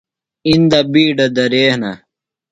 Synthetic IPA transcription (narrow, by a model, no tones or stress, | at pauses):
ind̪ɐbiːɖɐd̪ɐɾeːhnɐ